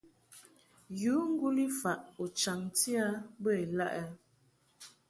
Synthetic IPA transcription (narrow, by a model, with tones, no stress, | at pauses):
ju˨˦ŋ̩˦ɡu˦li˦fa˨ʔo˨t͡ʃa˨ŋti˦a˦bə˦˨la̰˦ʔɛ˦